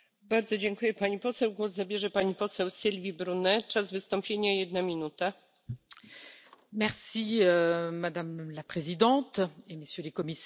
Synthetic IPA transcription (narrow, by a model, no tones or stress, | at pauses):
baɾd̪zɔd͡ʑɛŋkujɛpaɲipɔsɛwɡwɔzzabʲjɛʐɛpaɲipɔsɛwsʲilvʲibɾunɛt͡ʂazvɘst̪ɔ̃mpʲjeɲajɛd̪̚namʲinut̪a | mɛʁsiømad̪amlapχezid̪ɑ̃t̪eməsjølekɔmisɛ